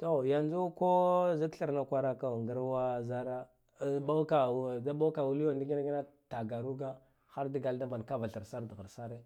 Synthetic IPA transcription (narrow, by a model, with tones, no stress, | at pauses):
to˦ja˨nd͡ʒu˦ko˦zi˦kɬa˦ɾna˦kʷa˦ɾa˦ka˦˨ŋɡa˦ɾwa˦za˦ɾa˦˨˦ | ɓa˦wka˨da˦ɓa˦ka˨wu˦li˦jo˦˨ndi˦ɡi˦na˦ɡi˦na˦ta˨ɡa˨ɾu˦ɡa˦ | xa˦ɾdi˦ɡa˨lda˦mba˨n˨ka˦va˨ɬa˨ɾsa˦ɾdɣa˨ɾsa˦ɾe˦